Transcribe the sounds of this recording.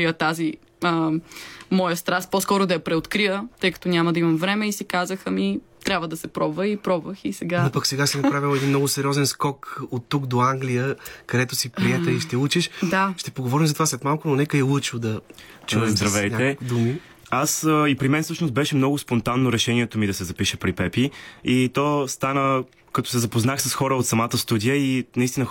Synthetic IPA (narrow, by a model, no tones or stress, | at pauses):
ijət̪azi | ə | mɔjəst̪ɾast̪̚pɔskɔɾʊd̪ɐjɐpɾɛot̪kɾijət̪ɤjkɐ̥t̪onʲamɐd̪ɐimɐmvɾɛmɛisikazəxəmi | t̪ɾʲabvəd̪ɐsɛpɾɔbvəipɾɔbvəxisɛɡanopəksɛɡaʃsinɐppɾavilɛd̪inmnɔɡʊsɛɾʲiɔzɛnskɔkot̪ːukd̪oaŋɡlijəkɐd̪ɛt̪ʊsipɾiɛəiʃt̪ɛut͡ʃɛʃd̪aʃt̪ɛpoɡovɔɾimzɐt̪ovaslɛt̪malˠkʊnonɛkəɛlˠət͡ʃod̪ɐ | t͡ʃuzd̪ɾɐvɛjnaɛid̪umi | asipɾimɛnsɤʃnost̪bɛʃɛmnɔɡʊspont̪anːoɾɛʃɛniɛt̪omid̪ɐsɛzɐpiʃɛpɾipɛpiit̪ɔst̪anə | kɐt̪ɔ̥sɛzɐpoznaxsɐsxɔɾəot̪sɐmat̪əst̪ud̪ijəinɐist̪inə